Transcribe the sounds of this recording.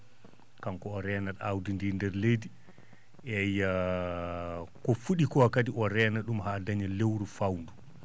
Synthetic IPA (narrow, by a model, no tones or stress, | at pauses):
kamkɔɔɾɛːnaɗawdindiːndɛɾledi | ʔɛjːa | kɔfuɗikɔakadiʔɔɾɛːnaɗumɦaːdaɲalewɾufawndu